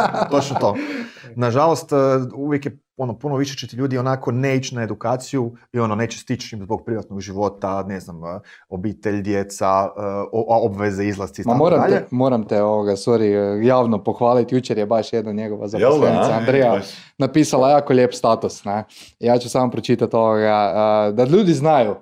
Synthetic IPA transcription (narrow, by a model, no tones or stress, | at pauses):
t̪ot͡ʃnot̪oːnaʒalˠo̞st̪ːuʋjekje | o̞no̞punoʋiʃet͡ʃet̪iʎuːd̪ionako̞neit͡ʃnae̞d̪ukaːt̪sijuio̞none̞ːt͡ɕest̪it͡ʃimzbo̞ɡ̚pɾiʋat̪noɡʒiʋo̞t̪aneznam | obiːt̪eʎd̪jet̪saoobʋezeizlˠast̪imamoːɾamaʎemoːɾamt̪eoʋoɡasoɾijaːʋnopoxʋaːlit̪jut͡ʃeɾjebaʃjed̪naɲeɡoʋa̰zaosleniaand̪ɾeja | napiːsalajaːkoʎʲeːpst̪aːt̪usnɛ | jaːt͡ʃusaːmopɾot͡ʃit̪at̪o̞ʋoɡaəd̪aʎuːd̪iznaju